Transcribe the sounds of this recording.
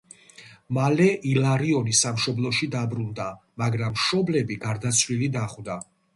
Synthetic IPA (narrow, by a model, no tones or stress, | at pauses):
malɛʔilaɾiɔnisamʃɔblˠɔʃid̪abɾund̪amaɡɾamːʃɔblɛbiɡaɾd̪at̪sʰwlilid̪aχwd̪a